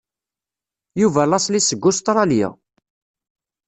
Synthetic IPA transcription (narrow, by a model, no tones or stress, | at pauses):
juvælɑslisəɡːʊst̪ɾˤɑlja̰